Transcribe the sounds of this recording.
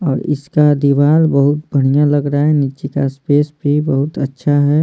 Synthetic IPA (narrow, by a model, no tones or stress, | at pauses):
ɔːɾɪ̰skad̪iʋaːlbəɦʊt̪̚bʱəɽ̤̃ijãləɡɾaɛnit͡ʃikaspeːsbʱibəɦʊt̪ətːʃʰaɦɛ